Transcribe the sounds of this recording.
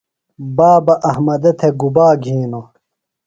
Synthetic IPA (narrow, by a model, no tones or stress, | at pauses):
baːbɐʔɐhmɐd̪ɐt̪ʰeɡubaːɡʱiːno